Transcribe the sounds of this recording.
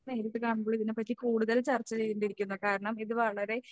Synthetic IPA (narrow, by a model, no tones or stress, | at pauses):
ne̞ːɾɐt̪ːɨkaːɳumboːɭiðinɨpɐtːikuːɽuðɐlt͡ɕɐrt͡ɕːɐt͡ɕe̞jːuɳɖiɾikʲːunːɐkaːɾɐɳɐmiðuʋɐɭɐɾe̞